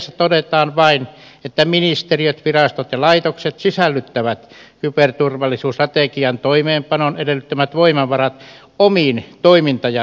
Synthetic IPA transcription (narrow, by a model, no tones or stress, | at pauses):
sːæt̪odet̪ɑːnʋɑinet̪ːæminist̪eriøt̪ʋirɑst̪ot̪jɑlɑit̪okset̪sisælːyt̪ːæʋæt̪kypert̪urʋɑlːisuːsrɑt̪ekiɑnt̪oimeːmpɑnonedelːˑyt̪ːømæt̪ʋoimɑʋʋɑrɑt̪ | omiːnt̪oimint̪ɑjɑ